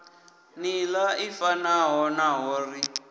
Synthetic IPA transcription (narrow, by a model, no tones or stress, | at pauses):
nilaifanaɦɔnaɦɔːri